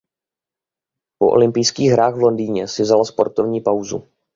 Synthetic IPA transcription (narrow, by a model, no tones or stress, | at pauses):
po̞ʔo̞̰lɪmpɪjskiːɣɦɾaːxɣvlo̞ndiːɲɛsɪvzalaspo̞ɾt̪ovɲiːpawzṵ